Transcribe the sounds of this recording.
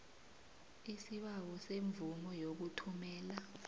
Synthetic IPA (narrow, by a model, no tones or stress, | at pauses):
isiɓawɔseɱvumɔjok̬utʰumɛːla